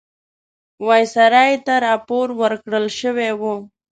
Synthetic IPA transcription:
wajsaɾɑjt̪aɾɑːpoɾwəɾkɽəlʃəwewo

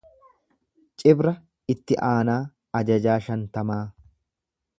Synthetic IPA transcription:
t͡ʃʼɪbɾɐ | ɪt̪ːɪʔaːnaː | ɐd͡ʒɐd͡ʒaːʃɐnt̪ɐmaː

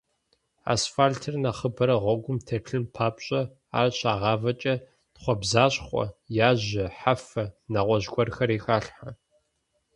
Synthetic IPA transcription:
a̰ːsfaːltʰɨrnɐχəbɐɾɐʁʷɔɡʷʊmtʰɐɬʰɨmpʰaːpɕʼɐ | a̰ːrɕaːʁɑːvɐt͡ʃʼɐ | tχʷɔbzaːɕχʷʼɔ̰jaːʑɪħafɐnɐʁʷɔʑɡʷɔrxɐɾiːxaːɬħa

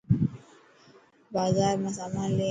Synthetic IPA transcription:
bazamasamalɛ

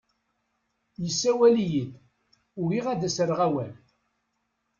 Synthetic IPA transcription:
jəsːæwælijid̪ | ʊɾiʁæd̪æsəɾʁæwæl

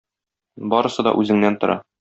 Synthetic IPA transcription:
bɒɾɤ̆sɤd̪ɒ̰ʔʉzɘ̆ŋnænt̪ŏɾɑ

